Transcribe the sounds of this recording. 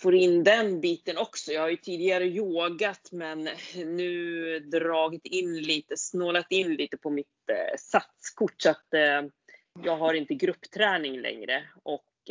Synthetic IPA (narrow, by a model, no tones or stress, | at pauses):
foːɾɪnːd̪ɛnbiːt̪ənɔksɔjɑːhajɵt̪ʰiːd̪ɪɡaɾəjoːɡat̪mɛnːʉ̟ːd̪ɾɑːɡɪt̪ʰɪnliːt̪əsnoːlat̪ɪnːliːt̪əpʰɔmɪt̪sat̪skʰʊʈːsat̪ | jɑːɡɦaɾɪnt̪əɡɾɵpːt̪ʰɾɛːnɪŋlʔɛ̰ŋɾəʔɔk